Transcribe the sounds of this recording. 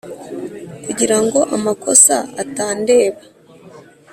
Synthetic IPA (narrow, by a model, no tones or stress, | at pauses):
kuɟiɾaŋɡo̞ʔamako̞saataːnde̞ːβa